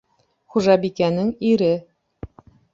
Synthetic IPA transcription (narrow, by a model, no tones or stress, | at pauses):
χuʒɑbikænɘŋiɾɘ